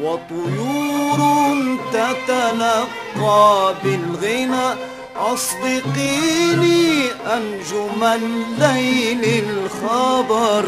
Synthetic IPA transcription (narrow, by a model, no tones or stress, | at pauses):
wat̪ˤʊjuːɾʊnt̪at̪alɑqːɑːbɪlɣina | ʔɑsˤbɪqiːniːʔand͡ʒʊmalːajlɪlxabɑɾˤ